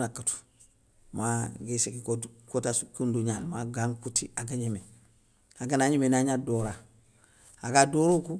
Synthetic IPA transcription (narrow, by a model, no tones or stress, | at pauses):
nakːatu̥ | maɡisekikokotaskunduɲalmaɡaŋkutiaɡaɲime | aɡanaɲimenaɲadoɾa | aɡadoːɾoku